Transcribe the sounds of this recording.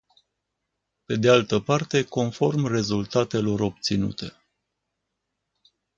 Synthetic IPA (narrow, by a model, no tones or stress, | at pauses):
pe̞d̪ealt̪əpart̪e̞ko̞nfo̞rmre̞zult̪at̪e̞lo̞ɾo̞b̚t̪sinṵt̪e̞